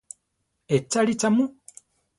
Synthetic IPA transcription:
et͡salit͡samu

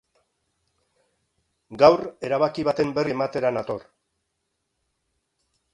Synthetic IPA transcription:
ɡawre̞ɾaβakiβ̞at̪e̞mbe̞riemat̪e̞ɾanat̪o̞ɾ

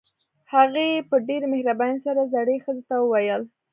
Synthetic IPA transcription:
haɣeepəɖeɾmehɾabajnsaɾazaɽexəzet̪awəwajəl

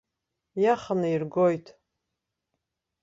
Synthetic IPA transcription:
jaχanɨirɡojtʰʼ

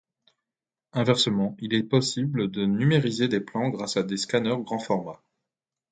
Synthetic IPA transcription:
ɛ̃vɛʁsəmɑ̃ilɛpɔsibləd̪ənymeʁized̪eplɑ̃ɡʁasad̪eskanœʁɡʁɑ̃fɔʁma

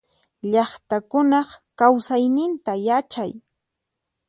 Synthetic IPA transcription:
ʎɑχt̪akʊnɑχkawsajnɪnt̪ajat͡ʃaj

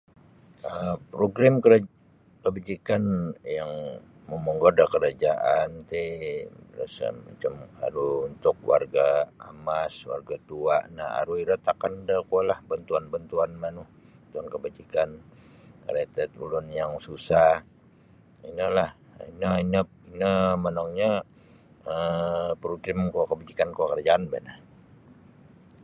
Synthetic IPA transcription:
əpɾoɡɾamkə | kəbad͡ʒikanjaŋ | məməŋɡodakəɾad͡ʒaʔant̪e | ɾəsə̰ma̰t͡ʃama̰ɾuunt̪ʊk̚wa̰rɡaamaswa̰rɡat̪uaʔna̰a̰ɾuiɾat̪akandəkualahbant̪uanbant̪uanmanuh̪ | t̪uankəbad͡ʒikan | kə̰ɾet̪ɛt̪ṵlʊnjaŋsusa | inəlah | inaina | inəmənaŋɲa | əpɾuɡɾɪmkuakəbad͡ʒikankuakərd͡ʒaːnbə̰na

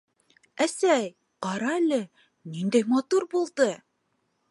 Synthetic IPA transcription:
æsæj | qɑɾɑælɘ | nind̪æjmɑt̪uɾbulˠd̪ɤ

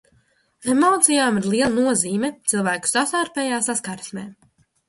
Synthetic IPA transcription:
emɔːt̪sijaːmiɾlˠiɛlˠanuɔziːmɛt̪silˠvæːku̥sasaːɾpɛjaːsaskaɾsnɛː

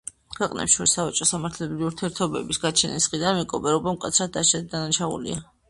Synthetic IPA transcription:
kʰwɛqʼnɛ̰pʃɔɾisavat͡ʃʼɔsamaɾt̪ʰlɛbɾiuɾt̪ʰiɛɾt̪ʰɔbɛ̰bisɡat͡ʃʰɛnisχid̪anmikʼɔbɛɾɔbamkʼat̪sʰɾad̪̚dːaʃad̪̚d̪anaʃaṵlḭa

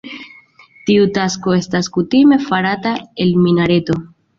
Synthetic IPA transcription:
tiutasko̞e̞staskutime̞faɾatae̞lminaɾe̞to̞

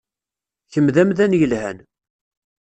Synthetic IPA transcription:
çəmðæmðænjəlhæ̰n

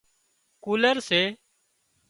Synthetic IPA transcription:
kuːləɾseː

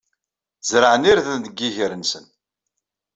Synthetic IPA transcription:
zɾəʕəniɾðənd̪əɡːiʝəɾənsən

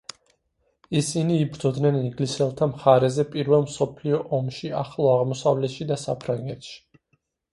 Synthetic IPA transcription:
isiniːbɾd̪ɔd̪nɛniŋɡlisɛlˠt̪ʰamχaɾɛzɛpʼiɾvɛlˠmsɔpʰliɔʔɔmʃia̰χlˠɔaʁmɔsavlɛt̪ʃid̪asapʰɾaŋɡɛt̪ʃi̥

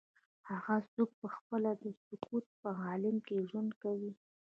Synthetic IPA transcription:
haɣazuk̚pəxpəlad̪əsʊkut̪̚pəɣɑlɪmkeʒwand̪kawi

